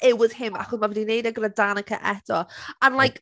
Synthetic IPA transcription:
ɪwɪð̥hɪma̰χʊðmavɛdinejdəɡɾədanəkʰə̰ʔɛd̥ɔanlˠajk

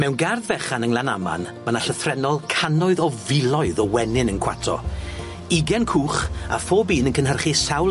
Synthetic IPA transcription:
mɛwnɡarðvɛχanəŋlˠanama̰nmanaɬəθrɛnɔlˠkʰanɔɨðɔvɪlˠɔɨðɔwɛnɪnənkʰw̥a̰tʰɔ̰ | iɡɛnkʰuːχa̰foːbiːnənkʰənɦərχisawl

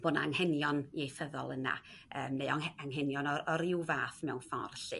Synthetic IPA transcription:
b̥oːnaaŋhɛnjɔniejθəðɔ̰lˠəna̰əːmneɔaŋɦɛnjɔnɔɔɾɪwvaːθmɛwnfɔ̰rɬɨ̰

